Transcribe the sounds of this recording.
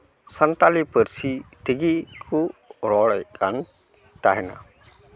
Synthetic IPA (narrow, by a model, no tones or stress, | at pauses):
sant̪alipəɾsit̪iɡikʰuɾɔɽɛjkʰan | t̪aɦɛna̰